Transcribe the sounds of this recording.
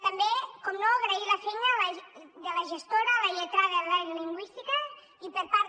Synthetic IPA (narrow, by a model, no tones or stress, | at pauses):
t̪əmbekɔmnoaɣɾəiləfejnələðələʒəst̪oɾələʎət̪ɾaðələzliŋɡwist̪ikə | ipəɾpaɾ